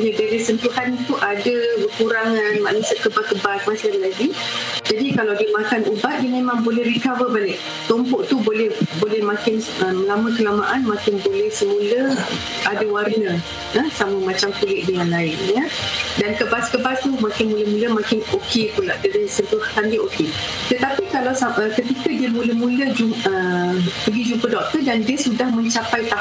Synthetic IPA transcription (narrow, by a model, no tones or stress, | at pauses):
jədaɾisənt̪uhant̪uʔadabəkuɾaŋanmã̰ʔnusakəbakəbas̚masanlaɡid͡ʒadikalawdiəmakanubat̪̚dimẽmãŋbolɛhrikavəbalɪʔ | t̪ɔmpɔʔt̪ubolɛhbolɛhmãkɪn | əməlaməkəlamaʔanmãkɪnbolɛhsəmũlə | ʔadawarnə̃ | əsaməmat͡ʃamkulɪʔ̚dəŋanlaɪnjədankəbaskəbast̪umakɪnmũləmuləmakɪnokepulaʔdədəsəbəhkandiəʔoke | t̪ət̪apikalawsaəkət̪ikədiəmũləmũləd͡ʒuəpəɡid͡ʒumpədɔk̚t̪ədandiəsudahmə̃ɲt͡ʃapajt̪ah